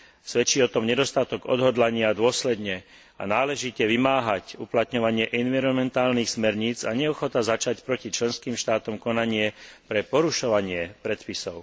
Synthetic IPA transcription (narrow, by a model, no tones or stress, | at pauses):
sʋɛt͡ʃiːɔt̪ɔmɲɛd̪ɔst̪at̪ɔɡɔ̰d̪ɦɔd̪laɲɪad̪ʊɔslɛd̪ɲɛ | a̰naːlɛʒicɛʋimaːɦacuplat̪ɲɔʋaɲɪɛʔɛnʋiɾɔnmɛnt̪aːlnixsmɛɾɲiːt͡saɲɛɔxɔt̪azat͡ʃacpɾɔcit͡ʃlɛnskiːmʃt̪aːt̪ɔmkɔnaɲɪɛpɾɛpɔɾuʃɔʋaɲɪɛpɾɛt̪pisɔʊ